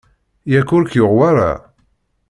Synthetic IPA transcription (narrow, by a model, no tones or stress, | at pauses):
jækːʊɾkjʊʁwaɾˤa̰